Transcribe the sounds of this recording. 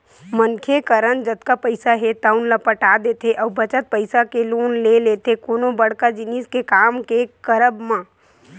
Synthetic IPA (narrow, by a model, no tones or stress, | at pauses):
mənkʰekəɾənd͡ʒəd̪kapəɪsaɦɛt̪aːʊnlapəʈaːd̪eːt̪eʔɐːbət͡ʃət̪̚pəɪsakeloːnleleːt̪ekoːnõbɐɽ̤kad͡ʒɪniːskekaːmkekəɾəbmãː